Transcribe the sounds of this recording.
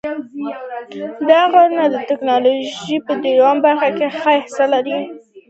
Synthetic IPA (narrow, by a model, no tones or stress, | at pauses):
d̪ɑɣaɾnad̪ət̪ɪknɑloʒipəd̪iɾwɑmbaɾxakexəɪhɪsalaɾi